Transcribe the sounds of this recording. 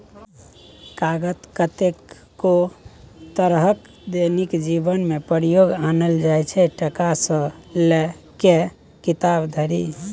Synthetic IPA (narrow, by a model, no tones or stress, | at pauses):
kaɡət̪kət̪ekː | o | t̪əɾɦək | d̪enikd͡ʒibənmepəɾijoɡanəld͡ʒajt͡ʃʰɛʈəkasə̃le | ke | kit̪abd̪ʱəɾḭ